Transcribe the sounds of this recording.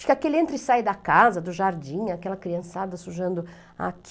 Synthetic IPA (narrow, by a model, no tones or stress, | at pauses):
fi̥kakelɪẽnt̪ɾɪsajd̪ɐkazɐd̪ʊʒaɾd͡ʒĩɲakɛlɐkɾiɐ̃sad̪ɐsuʒɐ̃nd̪ʊ | a̰k